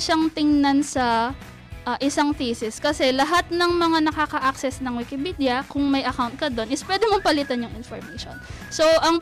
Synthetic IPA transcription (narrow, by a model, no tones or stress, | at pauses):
ʃaŋt̪ɪŋnansɐ | ʔɐʔɪsaŋt̪iːsɪskɐsɛlɐɦat̪̚nɐŋmɐŋanɐkakɐʔak̚sɛsnɐŋwɪkɪpiːd̪ɪjɐkʊŋmɐjʔɐkawnt̪̚kɐd̪o̞nʔɪspwɛd̪ɛmompɐlit̪ɐnjʊŋʔɪnfoɹmɛjʃo̰n | soʔɐŋ